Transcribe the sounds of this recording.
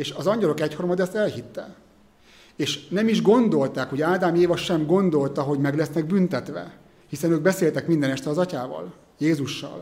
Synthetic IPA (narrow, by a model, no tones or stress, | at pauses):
eːʃɒzɒɲɟɒlo̞kɛchormɒd̪ɛst̪ɛlhit̪ːɛ̰ | eːʃnɛmiʒɡo̞nd̪o̞lt̪aːkho̞ɟaːd̪aːmieːvɒʃɛmɡo̞nd̪o̞lt̪ɒɦoɟmɛɡlɛsnɛɡ̚bynt̪ɛt̪ʋɛ̰ | hisɛnøːɡ̚bɛseːlt̪ɛkmind̪ɛnɛʃt̪ɛlɒzɒcaːvɒ̰l | jeːzuʃːɒ̰l